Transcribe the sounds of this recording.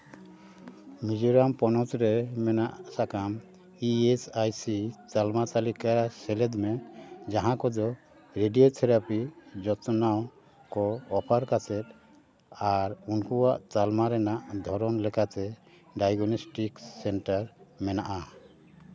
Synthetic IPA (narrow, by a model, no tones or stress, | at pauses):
mid͡ʒɔɾampɔnɔtɾɛmɛnaʔsakam | iesajsit͡ʃalmat̪alikasɛlɛd̪mɛd͡ʒaɦãkɔd̪ɔ | ɾeɖijot̪ʰɛɾapid͡ʒɔt̪naw | kɔːpʰaɾkasɛt̪̚ | aɾunkuwaʔt͡ʃalmaɾɛnaʔd̪ʱɔɾɔnlɛkat̪ɛ | ɖajɡɔnɔsʈiksɛɳʈaɾmɛnaʔa